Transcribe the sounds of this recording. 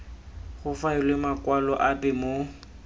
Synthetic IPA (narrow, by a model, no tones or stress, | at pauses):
ɣʊfaɪlɪmakʼwalɔʔapɛmo